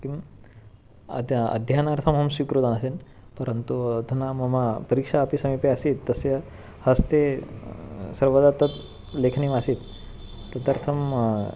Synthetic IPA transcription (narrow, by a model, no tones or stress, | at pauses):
kim | d̪ɐ̰d̪ʱjanaɾt̪ʰɐmɦɐmsʋikɾut̪anəsen | pəɾənt̪ut̪unamɐmapɐɾikʂaːpisɐmipeasit̪ːɐsjɐ | hɐst̪e | sɐɾʋəd̪at̪ət̪ | lekʰnimasiːt̪ː | ɐt̪aɾt̪ʰɐm